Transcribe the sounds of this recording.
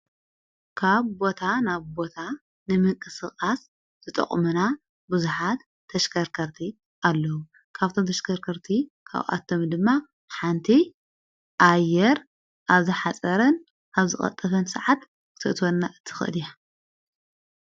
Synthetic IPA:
kʰaβbo̞t̪ʰanaβbo̞t̪ʰa | nɨmɨŋkʼɨsɨχʼas | z̥ɨt̪ʼɐ̰χʼmuna | buzuħat̪ʰːɐʃkʰɐɾkʰɐɾt̪ʰi | ʔalːɐwu | kʰaβt̪ʰomt̪ʰɐʃkʰɐɾkʰɐɾt̪ʰikʰa̰βʔa̰t̪ʰːomd̪ɨmːa | ħant̪ʰi | ʔajːɛɾ | ʔaβzɨħat͡sʼɐɾɐn | ʔaβzɨxʼɐ̰t̪ʼːɐfʰɐnsɨʕat̪ | kɨt̪ʰɨʔt̪ʰonːaʔɨt̪ʰɨ̥xɨʔɨ̰lija

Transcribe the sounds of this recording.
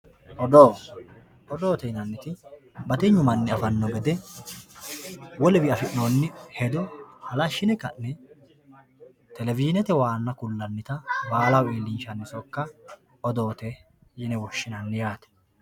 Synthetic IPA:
ʔɔd̪oː | ɔd̪oːt̪ɛjnɐnːɪt̪ɪ | bɐt̪ɛɲːʊmɐnːɪɐfɐnːɔɡɛd̪ɛ | wɔlɛbɪɐfɪʔnonːɪhɛd̪ɔhɐlɐʃːɪnɛkːɐ̰nːɛ | t̪ɛlɛvɪʃɪnɛt̪ɛwaːnːɐkʊlːɐnːɪt̪ɐbaːlɐwiːlːɪnʃɐnːɪsɔkːɐ | ɔd̪o̞ːt̪ɛ | jɪnɛwɔʃːɪnɐnːɪjaːt̪ɛ̥

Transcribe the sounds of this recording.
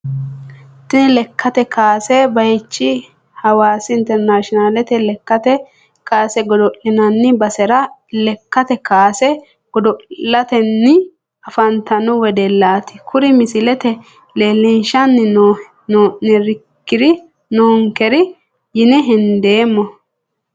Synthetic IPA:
t̪ɪnlɛkʰːɐt̪ɛkaːsɛbɐjɛt͡ʃːɪ | hɐwaːsɪɪnt̪ɛɾnaːʃɔnalɛt̪ɛlɛkːɐt̪ɛ | kaːsɛɡɔd̪ɔlɪnɐnːɪbɐsɛɾɐlɛkːɐt̪ɛkaːsɛ | ɡ̥ɔd̪ɔʔlːɐt̪ɛnːɪ | ɐfɐnt̪ɐnʊwɛd̪ɛlːaːt̪ɪ̥kʰʊɾɪmɪsɪlɛt̪ɛ | leːlːɛnʃɐnːɪn | nonɛɾɪkːɪd̪ɪ | noːŋkɛɾɪ | jɪnɛɦɛnd̪eːmːɔ

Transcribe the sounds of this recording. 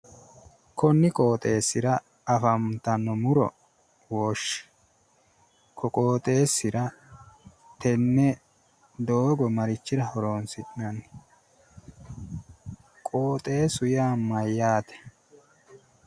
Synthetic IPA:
kʰɔnːɪkʼo̞ːt̪ʼe̞ːsːɪɾɐ | ɐfɐmt̪ɐnːɔmʊɾɔ̰ | woːʃːɪ̥ | kʰɔkʼo̞ːt̪ʼe̞ːsːɪɾɐ | t̪ɛnːɛ | d̪oːɡɔmɐɾɪt͡ʃːɪɾɐhɔɾo̞ːnsɪʔnɐnː | kʼo̞ːt̪ʼe̞ːsʊjaːmɐjːaːt̪ɛ̥

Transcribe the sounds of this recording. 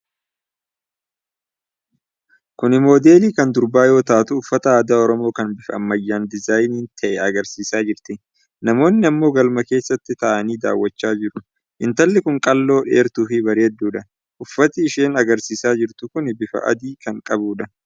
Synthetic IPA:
kʊnɪmo̞ːd̪e̞ːliːkɐnd̪ʊɾbaːjo̞ːt̪aːt̪ʊːfːɐt̪ɐaːd̪aːɔɾɔmo̞ːkɐnbɪfɐɐmːɐjːaːnd̪ɪzaːjniːnt̪ʰɐʔɛɐɡɐɾsiːsaːd͡ʒɪɾt̪ɪ | nɐmo̞ːnːɪɐmːo̞ːɡɐlmɐke̞ːsːɐt̪ːɪt̪ɐʔɐniːd̪a̰ːwːɐt͡ʃːaːd͡ʒɪɾʊ | ʔɪnt̪ɐlːɪkʊŋkʼɐlːo̞ːᶑeːɾt̪uːfɪbɐɾeːd̪ːuːᶑɐ | ʔʊfːɐt̪ɪːʃeːnɐɡɐɾsiːsaːd͡ʒɪɾt̪ʊkʊnɪbɪfɐ̰ʔɐ̰d̪iːkɐŋkʼɐbuːᶑɐ

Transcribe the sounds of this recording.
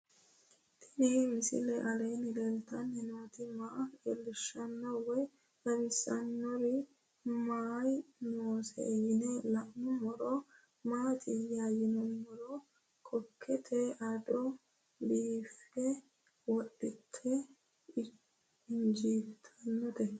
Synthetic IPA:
t̪ʰɪ̥dimɪsɪ̰lɛʔɐlɛjnɪlɛlt̪ɐnhɪnot̪ɪmaɡɛlːɪʃːɐnːɐwɛ | ɐbɪsːɐnːɔɾɪ | maːjnoːsɛ̰ːjɪnɛlɐʔmʊmɔɾɔ | maːt̪ʰɪjaːjɪnɔmɔɾɔ | kʰɔkʰːɛt̪ʰɛʔɐd̪ɔ | biːfɛ | wɔɗɪt̪ʰːɛ | ɪnd͡ʒiːbt̪ʰɐnːɔt̪ɛ

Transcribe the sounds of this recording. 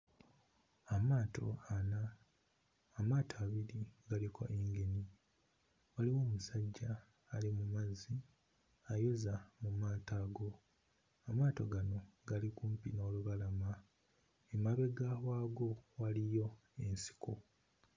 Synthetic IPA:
amaːtʰo̞̰anaː | maːtʰaːβiɾiɡalikʰo̰ʔeŋɡe̞ni | waliwo̞ːmusaɟːaː | limumazi | ajo̞zamumaːtaːɡo̞ | amaːto̞ɡano̞ɡalikuːmpino̞ːluβalama | emaβe̞ɡawaːɡo̞walijo̞ | e̞nsi̥ko

